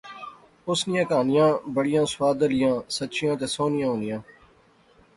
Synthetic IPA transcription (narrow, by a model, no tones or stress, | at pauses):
ʊsnɪjãːkaːnɪjãːbəɽɪjãːsʋaːd̪əlɪjãːsətːʃɪjãːt̪eːsoːnɪjãːõːnɪjãː